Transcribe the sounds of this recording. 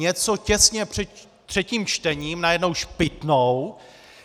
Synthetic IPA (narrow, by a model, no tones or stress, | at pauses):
ɲɛt͡socɛsɲɛpr̥ɛt̪ | t̪r̝̥ɛciːmt͡ʃt̪ɛɲiːmnajɛdno̞wʃpɪt̪now